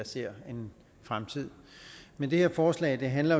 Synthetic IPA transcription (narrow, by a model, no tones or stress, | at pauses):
ɑse̝ɐ̰e̝n | fʁamt͡sʰið̞̰ˠ | mend̥e̝heɐfɒːslɛ̰ːɪd̥e̝ɦænlɐ